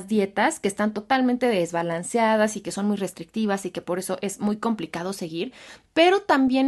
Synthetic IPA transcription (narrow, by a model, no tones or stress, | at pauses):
zðje̞t̪aske̞ːst̪ant̪o̞t̪almẽnt̪e̞ðe̞zβalansjað̞asike̞so̞nmujre̞st̪ɾik̚t̪iβ̞asike̞po̞ɾe̞so̞ʔe̞zmujko̞mplikað̞o̞se̞ɣiɾpe̞ɾo̞t̪ambje̞